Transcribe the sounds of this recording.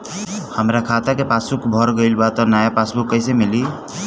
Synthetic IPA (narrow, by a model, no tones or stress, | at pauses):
həmɾakʰat̪akepasukbʱɔɾɡəɪlbat̪ɔnajapasbukːəjsemili